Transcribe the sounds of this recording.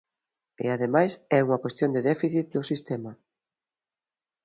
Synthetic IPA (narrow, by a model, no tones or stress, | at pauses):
ḛaðemajsɛuŋɐkwest̪jond̪eðɛfiθit̪̚d̪ʊsist̪ɛmɐ